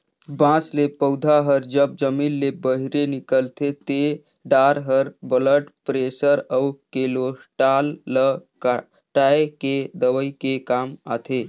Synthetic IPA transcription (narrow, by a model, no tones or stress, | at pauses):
bãslepəwd̪ʱaɦəɾd͡ʒəb̚d͡ʒəminːebəɦiɾenikəlt̪ʰet̪e | ɖaɾɦəɾbələʈpɾesəɾəwkelosʈalːək | ʈajeked̪əʋəjkekama̰t̪ʰe